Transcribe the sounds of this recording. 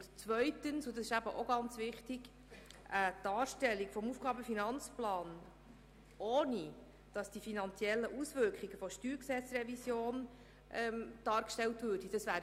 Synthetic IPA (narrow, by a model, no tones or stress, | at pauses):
tt͡svœʏtənsʊdɑsɪʃæbəʔoɡɑnt͡sʋɪχtɪɡ̥ | ʔətɑːɾʃtɛlːiɡfɔmufɡ̥ɑːbəfinɑnt͡splɑːn | ʔoːni | d̥ɑsd̥ifinɑnt͡siɛlːəʔusvʏɾkχiɡ̥əfɔʃtyːɾksɛt͡srɛvisjoːn | ʔɛmd̥ɑːɾkʃtɛltvøːɾd̥id̥ɑsʋæːɾ